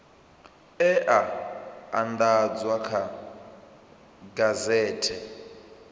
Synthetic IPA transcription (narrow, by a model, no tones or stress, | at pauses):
ɛʔaand̪ad͡zwakʰa | ɡazɛːtʰɛ